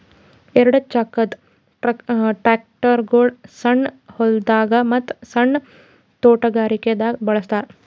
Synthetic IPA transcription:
ɛɾɐɽɐt͡ʃakːɐt̪ | ʈɾaːk̚ʈɐɾɡoːɖsɐɳhold̪aːɡɐmɐt̪ːsɐɳː | t̪oːʈɐɡaːɾiked̪abɐɭɐst̪aːɾ

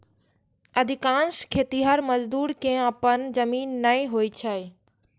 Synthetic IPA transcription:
ɐd̪ʱɪkãːnskʰeːt̪iɦəɾmɐzd̪uːɾkẽəpənd͡ʒɐmiːnːɐĩɦoːit͡ɕʰɐɪ

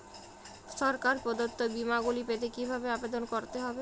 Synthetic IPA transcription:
ʃɔɾkaɾpɔd̪ot̪ːobimaɡulipet̪ekibʱabeabed̪onkoɾt̪eɦɔbe

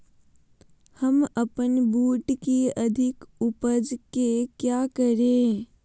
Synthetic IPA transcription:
həməpənbuːʈkiəd̪ʱɪkʊpəd͡ʒkekjaːkəɾẽ

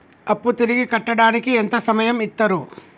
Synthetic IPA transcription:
ɐpːut̪iɾiɡikɐʈːɐɽaːnikient̪ɐsɐmɐjɐmit̪ːɐɾu

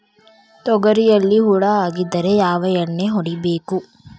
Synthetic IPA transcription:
t̪ɔɡɐɾijɐlːiɦuɽɐaːɡid̪ːɐɾe̞jaːʋɐjɐɳːeɦoɽibeːku

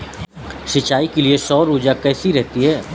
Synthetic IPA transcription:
ʃɪt͡ʃaːikeliesɔːɾuːd͡ʒakɛːsiɾɛɦt̪iɦɛː

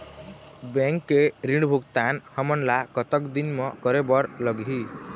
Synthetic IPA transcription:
bẽŋkːeɾiɳɖbʱukt̪anhəmənlakət̪əkd̪inmɔ̃kəɾebəɾləɡɦi

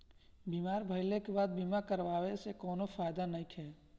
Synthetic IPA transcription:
biːmaːɾbʱəɪlekebaːd̪̚biːmakəɾʋaːʋesekɔːnofaːjd̪anəɪkʰɦɛː

